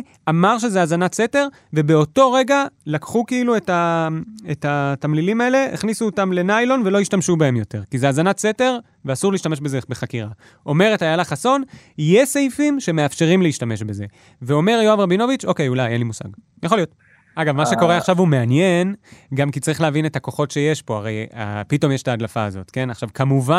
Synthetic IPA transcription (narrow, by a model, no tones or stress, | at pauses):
ʔamaʁʃ̬e̞zeazanatse̞te̞ʁ | ve̞be̞o̞to̞ʁeɡalakχukiilue̞taetatamlilimaele̞eχnisuotamle̞najlo̞nve̞lo̞iʃtamʃubae̞mjo̞te̞ʁkizeazanatse̞teʁ | veasuʁliʃtame̞ʃbe̞zebeχakiʁa | ʔo̞me̞ʁetajalaχaso̞nijesejfimʃe̞meafʃe̞ʁimleiʃtame̞ʃbe̞ze̞ | ve̞o̞me̞ʁjoavʁabino̞vit͡ʃo̞kejulajenlimusa̰ɡ | jaχo̞lio̞t̪ | aɡavmaʃe̞ko̞ʁeaχʃavume̞anjenɡamkit͡saʁiχleavinetako̞χo̞tʃe̞je̞ʃpo̞aʁeja̰pito̞mjeʃetaːdlafaːzo̞̰tke̞naχʃavkamuva